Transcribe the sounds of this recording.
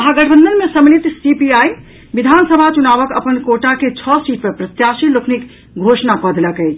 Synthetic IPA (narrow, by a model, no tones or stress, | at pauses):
ɐɦaɡəʈʰəbənd̪ənmesəmnit̪sipiai | bid̪ʱansəbʱat͡ʃunaʋəkə̰pənkoʈaket͡ʃʰɔsiʈpepɾət̪jasilokʰnik | ɡʱosnakɔd̪ləkəjt͡ʃʰ